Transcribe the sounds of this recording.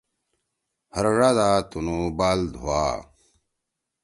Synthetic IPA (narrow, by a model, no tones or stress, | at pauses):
hɐɾɻad̪aːt̪unubaːld̪ʱuwa̰ː